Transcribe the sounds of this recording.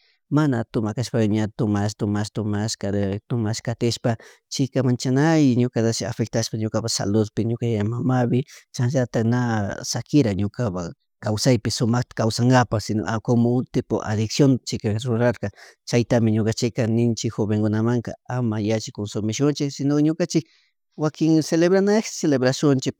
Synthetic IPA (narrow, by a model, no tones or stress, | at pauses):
manat̪ʊmakaʃpajaɲat̪ʊmast̪ʊmaʃt̪ʊmaʃkat̪ʊmaʃkat̪ɪʃpa | t͡ʃɪkamant͡ʃanajɲokat̪asa̰fek̚t̪aʃpaɲokapasa̰loðpɪɲokajaamamaβɪt͡ʃanʒat̪aknasakɪɾaɲokapa | kawsajpɪsʊmaxt̪ḁkawsaŋɡapaxsɪno̰ʔakomoʊt̪ɪpo̰ʔa̰ðɪksjont͡ʃɪkaɾʊɾaɾkɑt͡ʃajt̪amɪɲokat͡ʃɪkanɪnt͡ʃɪkxoβeŋkʊnamaŋka̰amajat͡ʃɪkonsʊmɪʃʊnt͡ʃɪsɪnokɲokant͡ʃɪk̚ | wakɪŋseleβɾanaxseleβɾaʃʊnt͡ʃɪk̚